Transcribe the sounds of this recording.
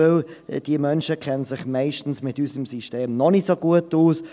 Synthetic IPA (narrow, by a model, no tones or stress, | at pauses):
ɪld̥iəmœnʃəkʰɛnənz̥ɪχmaɪʃtn̩smɪtysəmsiʃteːmnɔnɪtsoɡuətuːs